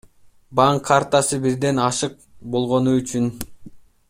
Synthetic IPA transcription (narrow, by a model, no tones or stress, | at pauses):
bɑŋkʰːaɾt̪ɑsɯbiɾd̪e̞nɑʃɯq̚bo̞lˠʁo̞nuyt͡ʃyn